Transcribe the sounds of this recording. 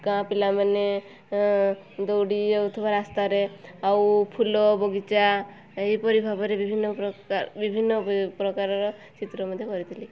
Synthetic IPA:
kãpilamane | d̪owɽiɔt̪ʰɔbaɾast̪aɾeawpʰulɔbɔɡit͡ʃa | ejpɔɾibʱabɔɾebibʱinːɔɔbibʱinːɔpɾɔkaɾɔɾɔ | t͡ʃit̪ɾɔmɔd̪ʱjɔkɔɾit̪ʰili

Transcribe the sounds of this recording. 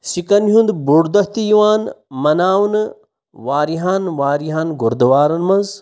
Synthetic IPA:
sikɐnɦund̪buɽd̪ɐht̪ijiwaːnmɐnaːwnɨ | ʋaːɾiɦaːnʋaːɾiɦaːnɡoɾd̪ɐwaːɾɐnmɐnz

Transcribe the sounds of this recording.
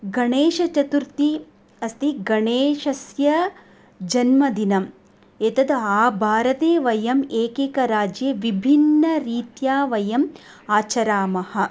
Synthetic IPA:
ɡɐɳeːʃɐt͡ʃɐt̪uɾt̪i | ɐst̪iɡɐɳeːʃɐsjɐ | d͡ʒɐnmɐd̪inɐm | eːt̪ɐd̪aːbʱaːɾɐt̪eːʋɐjɐmeːkeːkɐɾaːd͡ʒjɐʋibʱinːɐɾiːt̪jaːʋɐjɐm | aːt͡ʃɐɾaːmɐhɐ̆

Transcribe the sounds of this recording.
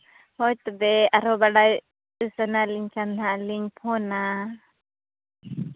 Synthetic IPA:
hɔt̪d̪ɛaɾɔbaɽaj | usənaliŋkanaliŋpʰɔna

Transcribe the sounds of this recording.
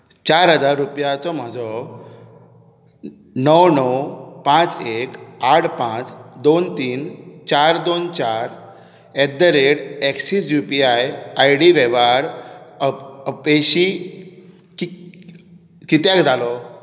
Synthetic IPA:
t͡ɕaɾɦəd͡zaɾːupjat͡sɔm̤əd͡zɔ | nəwnəwpãt͡sekaʈʰpãt͡sd̪ont̪iːnt͡ɕaɾd̪ont͡ɕaɾ | ɛd̪əɾeɽɛkɕiːsjupiajajɽiʋeʋaɾ | əpeɕi | ki | kit̪jãkd͡zʱalɔ

